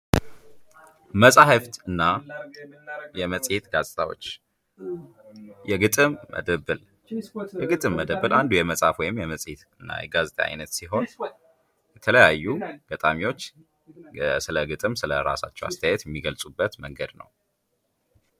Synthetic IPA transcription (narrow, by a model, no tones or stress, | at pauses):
məsʼahɨft̪ɨnːa | jɛməsʼhet̪ɡazʼt̪ʰʼawo̞̰t͡ʃː | jɛɡɨt̪ʼɨmːə̰d̪əβɨl | jɛɡɨt̪ʼɨmːəd̪əβɨlʔand̪ujɛməsʼafwɔjɪmjɛməsʼhet̪ɨnːa̰jɛɡazt̪ʰʼaa̰jnət̪siɦo̞n | jɛt̪ʰələjajːuɡ̥ət̪ʼamiwo̞t͡ʃː | sɨləɡɨt̪ʼɨmsɨləɾa̰sa̰t͡ʃːɛwa̰st̪ʰəjajɛt̪jɛmːiɡəlsʼubːət̪məŋɡəd̪nə̰w